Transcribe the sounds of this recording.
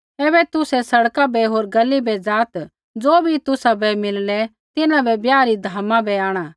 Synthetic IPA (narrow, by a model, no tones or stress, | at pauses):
ɛːbɛt̪ʊsɛsɐɽkabɛɦoːɾɡɐlːibɛd͡zaːt̪ | d͡zoːbʱit̪ʊsabɛmɪllɛ | t̪ɪnãbɛbjaːɾid̪ʱaːmãbɛaːɽ̃ãː